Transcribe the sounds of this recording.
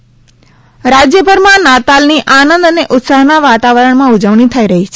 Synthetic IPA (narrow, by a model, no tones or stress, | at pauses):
ɾad͡ʒjəbʱəɾmãnat̪alniʔanənd̪əneʔʊt̪saɦnaʋat̪aʋəɾəɳmãud͡ʒəʋɳit̪ʰəiɾəɦit͡ʃʰe